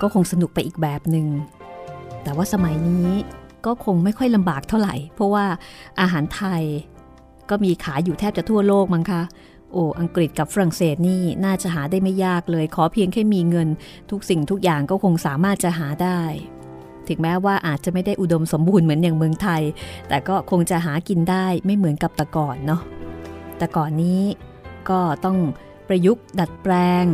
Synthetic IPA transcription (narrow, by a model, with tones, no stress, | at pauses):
kɔː˥˩kʰo˧ŋsa˧nu˨˩k̚pa˧jʔiː˨˩k̚bɛː˨˩p̚nɯ˨ŋ | t̪ɛː˨˩waː˥˩sa˧ma˩˦jniː˦˥kɔː˥˩kʰo˧ŋma˥˩jkʰɔ˥˩jla˧mbaː˨˩k̚t̪ʰa˥˩wɾa˨˩jpʰɾɔ˦˥waː˥˩ʔa˧ɦaː˩˦nt̪ʰa˧j | kɔː˥˩miː˧kʰaː˩˦juː˨˩t̪ʰɛː˥˩p̚t͡ɕa˨˩t̪ʰu˥˩ɐloː˥˩k̚ma˧˥ŋkʰa˦˥ | ʔoː˨˧˩ʔa˧ŋkɾi˨˩t̪̚ka˨˩p̚fa˧ɾa˨˩ŋseː˨˩t̪̚niː˥˩naː˥˩t͡ɕa˨˩ʔɦaː˩˦daː˥˩jma˥˩jːaː˥˩k̚lɤː˧jkʰɔː˩˦pʰi˧əŋkʰa˥˩jmiː˧ŋɤ˧n | t̪ʰu˦˥k̚si˨˩ŋt̪ʰu˦˥k̚jaː˨˩ŋkɔː˥˩kʰo˧ŋsaː˩˦maː˥˩t̪̚t͡ɕa˨ʔɦaː˩˦daː˥˩j | t̪ʰɯ˨˩˦ŋmɛː˦˥waː˥˩ʔaː˨˩t̪̚t͡ɕa˨˩ʔma˥˩jda˥˩jʔu˨˩do˧mso˩˦mbuː˧nmɯ˩˦ənjaː˨˩ŋmɯ˧əŋt̪ʰa˧jt̪ɛː˨˩kɔː˥˩kʰo˧ŋt͡ɕa˨˩ɦaː˩˦ki˧ndaː˥˩jma˥˩jmɯ˩˦ənka˨˩p̚t̪a˨˩kɔː˨˩nːɔ˦˥t̪ɛː˨˩kɔː˨˩nːiː˦˥ | kɔː˥˩t̪ɔ˥˩ŋ | pɾa˧ju˦˥k̚da˨˩t̪̚pɾɛː˧ŋ